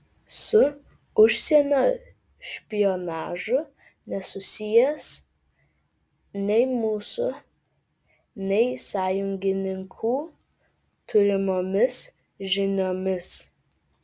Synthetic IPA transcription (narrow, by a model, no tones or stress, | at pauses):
sʊ | ʊʃʲsʲɛnʲoː | ʃʲpʲɪjonɑːʒʊ | nʲɛsʊsʲɪjɛs | nʲɛɪmuːsʊ | nʲɛɪsɑːjʊŋʲɡʲɪnʲɪŋkʰuː | t̪ʰʊɾʲɪmoːmʲɪs | ʒʲɪnʲoːmʲɪs